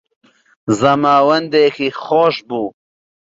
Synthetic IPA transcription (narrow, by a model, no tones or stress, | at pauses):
zɐmaːwɐnd̪ekixoʃbuː